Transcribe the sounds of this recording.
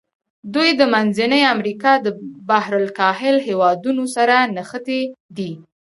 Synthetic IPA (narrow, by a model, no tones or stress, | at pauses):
d̪ujd̪əmanzanəjamɾikɑd̪əbahɾʊlkɑhɪlɦewɑd̪unosaɾanaxət̪ed̪i